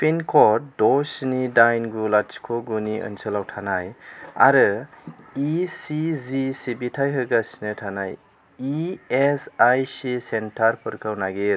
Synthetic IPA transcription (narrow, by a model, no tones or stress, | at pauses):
pʰenkʰɔɾdɔsnidajnɡulat͡ʃi̥kʰoɡuniʔə̰nsɯlawtʰanaja̰ɾɯ | isizisibitʰajɦɯɡasinɯtʰanaj | iesajsisentʰaɾpʰɯɾkʰawnaɡe